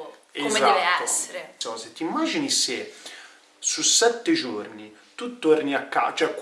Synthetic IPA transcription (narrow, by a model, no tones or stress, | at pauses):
ezaɛosɔzet̪ːimːaːd͡ʒinise | susːɛt̪ːed͡ʒornit̪ut̪ːoɾniakːa̰t͡ʃɛkː